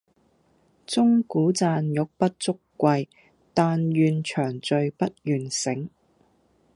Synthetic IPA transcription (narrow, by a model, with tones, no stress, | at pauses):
t͡sʊ˥ŋkuː˨˥t͡saː˨njʊ˨k̚pɐ˥t̚t͡sʊ˥kːʷɐ˧j | t̪aː˨˧njyː˨˧nt͡ʃʰœː˨˩ŋt͡sɵ˨˧ɥpɐ˥t̚jyː˨nsɪ˨˥ŋ